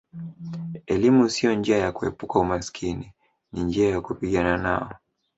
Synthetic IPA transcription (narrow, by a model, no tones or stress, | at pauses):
ɛlimusijɔnd͡ʒiajakuhɛpukaumasi̥kʰini | nind͡ʒiajakupiɠanana̰ɔ